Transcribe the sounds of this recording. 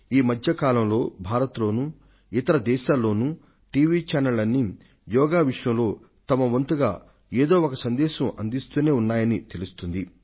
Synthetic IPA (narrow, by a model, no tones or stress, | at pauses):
iːmɐd̪ʱjɐkaːlɐmlo̞ːbʱaːɾɐt̪lo̞ːnuː | it̪ɐɾɐd̪ɛːʃaːlːo̞ːnu | ʈiːʋiːt͡ʃaːnɐlɐnːi | jɔːɡaːʋiʂjɐ̃mlo̞ː | t̪ɐmɐʋɐnt̪uɡaː | eːd̪oːɔkɐsɐnd̪ɛːʃɐmɐnd̪ist̪uːne̞ːunːaːjɐnit̪e̞lust̪und̪i